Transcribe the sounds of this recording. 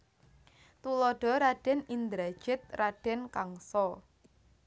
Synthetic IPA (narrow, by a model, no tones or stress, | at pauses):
t̪ulɔɖ̥ɔ̤ɾaɖ̥ɛnind̪ɾad̥ʒ̥ɪt̪̚raɖ̥ɛnkaŋsɔ